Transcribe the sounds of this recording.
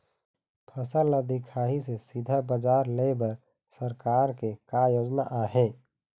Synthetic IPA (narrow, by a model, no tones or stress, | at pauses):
pʰəsəlːad̪ɪkʰaːɦisesid̪ʱabəd͡ʒaːɾlebəɾ | səɾkaːɾkekajoːd͡ʒnaʔaːɦɛ̃ː